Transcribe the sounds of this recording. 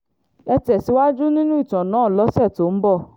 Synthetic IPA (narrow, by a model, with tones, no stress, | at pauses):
ɛ˧tɛ˨si˨˦wa˦d͡ʒu˦nĩ˦nũ˦i˦˨tɔ̃˨nãː˨˦˨lɔ˨˦sɛ˦˨to˨˦m̩˦bɔ˦˨